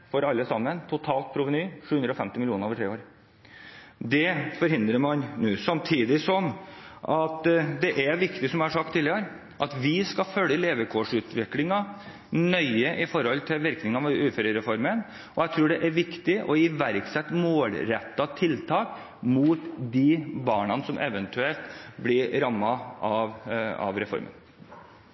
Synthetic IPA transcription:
fɔɾɑlːəsɑmːənt̪ʰʊt̪ʰɑːlt̪̚pʰɾʊʋənyːʂʉːhʉnd̪ɾɔfɛmt̪ɪmɪlɪuːnəɾoːʋəʈʰɾeːoːɾ | d̪ɛfɔɾhɪnd̪ɾəɾmɑnnʉːsɑmt̪ʰiːd̪ɪsɔmʔɑt̪d̪ɛʔæɾʋɪkt̪ɪsɔmjæhɑʂɑk̚t̪ʰːiːlɪəɾ | ʔɑt̪ʋɪskɑfœlːəleːʋɛkʰoːʂʉːt̪ʋɪklɪŋɑ | nœʏəʔɪfɔɾhɔlːt̪ʰɪlʋɪɾknɪŋɑʋʉːfəɾəɾɛfɔɾmən | ʔɔjæɪt̪ʰɾuːɖɛʔæɾʋɪkt̪ɪʔɔɪʋæɾksɛt̪ːmoːlɾɛt̪ːɑt̪ʰɪlt̪ʰɑːk | muːt̪d̪ɪbɑːɳɑnəsɔmʔɛ̰ʋənt̪ʰʉɛlt̪blɪɾɾɑmːɑɑʋɑ̰ʋɾɛfɔ̰ɾmə̰n

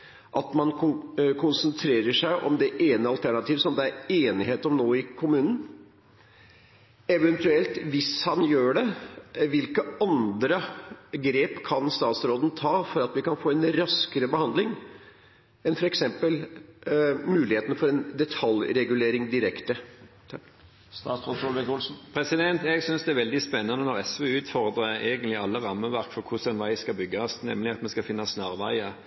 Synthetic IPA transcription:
ʔɑt̪mɑnkkʰʊnsənt̪ʰɾeːɾəʂæɪʔɔ̰md̪ɛʔeːnəɑlt̪ʰæɳɑt̪ʰiːʋəsɔmd̪ɛæɾeːnɪɦeːt̪ɔmnoːɪkʰʊmʉːnən̩ | ɛʋɛnt̪ʉɛlt̪ʋɪshɑnjøːɖɛʋɪlkəɑnd̪ɾəɡɾeːpkʰɑnst̪ɑːt̪sɾoːd̪nt̪ʰɑːfɔɾɑt̪ʋɪkɑnfoːɛnɾɑskəɾəbəhɑnd̪lɪŋ | ɛnfɔɾɛksɛmpəl | mʉːlɪheːt̪nfɔɾɛnd̪ɛt̪ʰɑljɾɛɡʉleːɾɪŋd̪ɪɾɛkt̪ət̪ʰ | st̪ɑːt̪sʁod̪ɔlbɛkʊlsn̩pʰɾɛsɪd̪ɛnt̪ɛɡsʏnsd̪ɛæɾʋɛld̪ɪspɛnːɑnənɔʁɛsʋøʉːt̪fɔʁd̪ʁəeːɡənlɪɑlːəʁɑmːəʋæʁkfɔʁkʰʊsɛnʋæɪskɑbʏɡːɑsnɛmːlɪɑt̪mɛskɑfɪnːɑsnɑʁʋæɪə

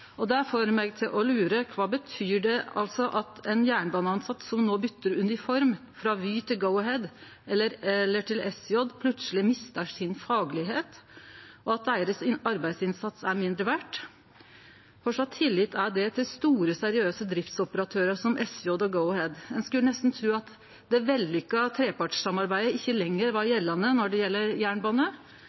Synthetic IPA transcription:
ɔd̪ɛæfɔɾmɛɡ̚t̪ʰɪlʔɔlʉːɾəkʰʋɑːbət̪ʰyːɖɛɑ̰lsɔʔɑt̪ɛnjæːɳbɑːnəɑnsɑt̪ːsɔmnoːbʏt̪ːəɾʉnɪfɔɾm | fɾɑʋyːt̪ʰɪlɡəʊɦɛd̪ | ɛlːəɾɛlːəʈʰɪlɛsjɔd̪pʰlʉt̪slɪmɪst̪əʂɪnfɑːɡlɪɦeːt̪ | ɔɑt̪̚d̪æɪəɾəsɪɑɾbæɪd̪sɪnsɑt̪sæɾmɪnd̪ɾəʋæʈ | fɔʂɑt̪ʰːɪlːɪt̪ʰːæɖɛt̪ʰɪlst̪uːɾəsæɾɪøːsəd̪ɾɪft̪sɔpəɾɑt̪ʰøːɾəʂɔmʔɛsjɔd̪ɔɡəʊhɛd̪ɛnskʉlːənɛst̪n̩t̪ʰɾʉːɑt̪ | d̪ɛʋɛlːʏkːɑt̪ʰɾeːpɑʈɑmɑɾbæɪd̪əɪçːəlɛŋːəɾʋɑɾjɛlːɑnənɔɖɛjɛlːəɾjæːɳbɑːnə

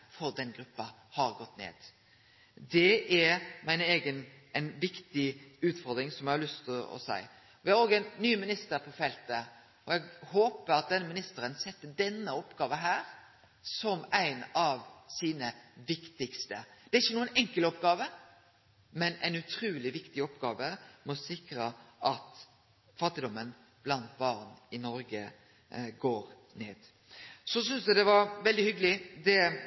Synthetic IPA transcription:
fɔɾd̪ɛnɡɾʉpːɑ | hɑɾɡɔt̪ːnḛːd̪̥ | d̪ɛʔæɾmæɪneːɡən | æɪnʋɪkt̪ɪʉːt̪fɔɾd̪ɾɪŋsɔmjæhɑlʉst̪ʰɔ̰sæ̰ɪ | ʋɪhɑɾoːɡəɛɪnːyːmɪnɪst̪əɾpʰɔfɛlt̪ə | ɔjɛɡhoːpəɾɑt̪̚d̪ɛnːəmɪnɪst̪əɾənsɛt̪ːəd̪ɛnːəɔpːɡɑːʋəɦæːɾ | sɔmæɪnɑʋsiːnəʋɪkt̪ɪkst̪əd̪̥ɛɾɪçːənuːənɛŋkəlɔpɡɑːʋə | mɛnæ̰ɪnʉt̪ʰɾʉːlɪʋɪkt̪ɪɔpːɡɑːʋəmɔsɪkɾəʔɑt̪ | fɑt̪ːɪd̪ɔmən | b̥lɑnt̪bɑʁnɪnɔɾɡə | ɡoːɾ | nḛːd̪̥ | sɔsʏnsd̪ɛd̪ɛʋɑɾʋɛld̪ɪhʏɡəlɪd̪ɛ

